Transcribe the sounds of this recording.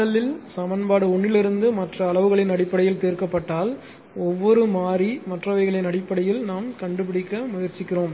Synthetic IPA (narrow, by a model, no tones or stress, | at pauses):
ɐlɪlsɐmɐnbaːɽɯɔɳːɪlɪɾɯnd̪ɯmɐʈrɐːɭɐʋɯɣɐɭɪnɐɽɪpːɐɽɐjɪlt̪eːɾkɐpːɐʈːaːl | ɔʋːɔɾɯmaːɾimɐʈrɐʋɐɪɣɐɭɐnɐɽɪpːɐɽɐjɪlnaːmkɐɳɖɯp̬ɪɽɪkːɐmʊjɐɾt͡ʃːɪkːɪroːm